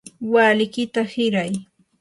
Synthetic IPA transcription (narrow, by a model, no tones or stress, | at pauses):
waːlɪkɪt̪ahɪɾaj